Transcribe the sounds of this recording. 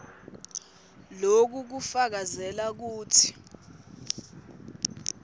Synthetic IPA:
lok̬uk̬ufak̬azɛlak̬uːtʰi̥

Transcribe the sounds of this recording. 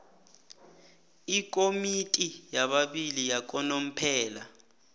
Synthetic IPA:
ikʼomitʼijaɓaɓilijak̬ʼɔnom̩pʰɛːla

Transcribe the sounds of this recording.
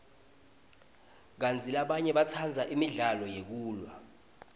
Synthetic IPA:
k̬ant͡sʰʼilaɓaɲɛɓat͡sʰand͡zʱaʔimiɮalɔjek̬uːlwa

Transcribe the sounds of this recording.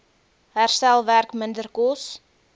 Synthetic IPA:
ɦærstɛlˠværkməndərkɔs

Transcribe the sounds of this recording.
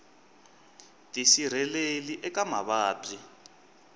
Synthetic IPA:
tʼisiɾ̤ɛleliʔɛkama̰βaːpʼi

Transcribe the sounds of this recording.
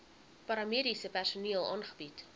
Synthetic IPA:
pɐɾɐmiəɾisəpærsuniəlˠɑ̰ːnχəbit

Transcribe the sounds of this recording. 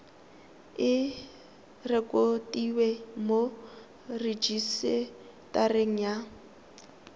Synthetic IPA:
ɪ | rɛkʼotʼiwɛmo | red͡ʒisɪ | tʼareŋ̩ja

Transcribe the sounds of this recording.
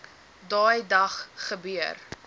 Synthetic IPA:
dɑːjdɐχχəbyər

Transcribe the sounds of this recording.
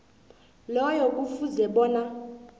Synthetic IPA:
lɔjɔk̬ʼufuzɛɓɔːna

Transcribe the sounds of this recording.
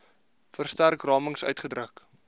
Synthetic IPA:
fərstærkrɑːməŋsœ̰ɥtχədrək

